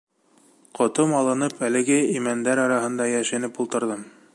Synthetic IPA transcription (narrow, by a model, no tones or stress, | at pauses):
qʰŏt̪ɤmɑlˠɤ̆nɤpælɘ̆ɡɘimænd̪æɾɑɾɑɦɤ̆nd̪ɑjæʃænɘpulˠt̪ɤ̆ɾðɤm